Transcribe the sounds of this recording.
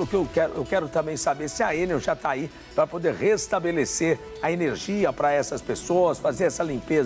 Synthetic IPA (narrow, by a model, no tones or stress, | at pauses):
lʊkɪewkɛɾʊʔḛwkɛɾʊt̪ɐ̃mbẽj̃sabeɾsɪɐẽneɾʒat̪ai | pɾɐpod̪eɾhest̪abeleseɾ | ɐeneɾʒiɐpɾɐɛsɐspesoɐsfazeɾɛsɐlĩmpez